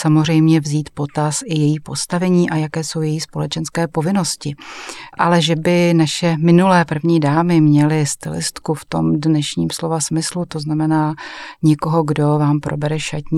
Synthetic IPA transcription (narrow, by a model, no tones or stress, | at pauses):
samozr̝ɛjmɲɛvziːt̪po̞t̪asʔɪjɛjiːpo̞st̪avɛɲiːʔajakɛːso̞wjɛjiːspo̞lɛt͡ʃɛnskɛːpo̞vɪno̞scɪʔa̰lɛʒɛbɪnaʃɛmɪnulɛːpr̩vɲiːdaːmɪmɲɛlɪst̪ɪ̰lɪ̰st̪kuft̪o̞mdnɛʃɲiːmslo̞vasmɪslut̪o̞znamɛnaːɲɛko̞ɦoɡdo̞vaːmpɾʔobɛɾɛʃacɲi